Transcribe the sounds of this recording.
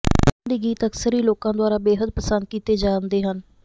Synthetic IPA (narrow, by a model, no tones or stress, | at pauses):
nd̪iːɡiːt̪əksəɾiːloːkãːd̪ʊaːɾaːbeːɦəd̪̚pəsənd̪̚kiːt̪eːd͡ʒaːnd̪eːɦən